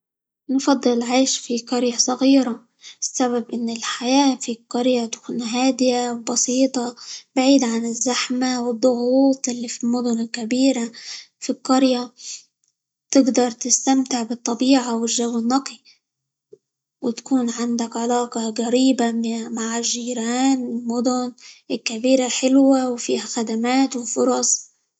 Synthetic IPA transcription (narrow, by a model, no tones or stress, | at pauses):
nfɑd̪ˤːɨlʕeːʃfiqɑɾjasˤɑɣiːɾa | ɪsːaβabʔɪnːɪlħajaːfiqːɑɾjat̪kuːnɦaːd̪ɪjawbɑsiːt̪ˤɑb̥aʕiːd̪ʕanɪzːaħmawɪd̪ˤːʊɣuːt̪ˤʔɪlːifilmʊd̪ʊnɪlkabiːɾa | fiqɑɾja | t̪ɪɡd̪ɑɾˤt̪ɪst̪amt̪ɪʕbɨt̪ˤːɑbiːʕawɪlʒawːɪnːɑqi | wɪt̪kuːnʕand̪akʕalɑːqɑɡaɾiːbamaʕɪʒːiːɾaːnɪlmʊd̪ʊnɪlkabiːɾalħɪlwawfiːhaxad̪amaːt̪wɪfʊɾˤɑsˤ